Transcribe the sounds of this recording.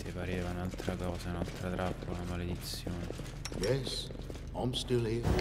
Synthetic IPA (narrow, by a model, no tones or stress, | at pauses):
sɪpaɾeːvaunalt̪ɾakɔːzanalt̪ɾat̪ɾʔapːolamaled̪it̪sːjoːnɪ | jɛs | ãɪ̃mstɪlhi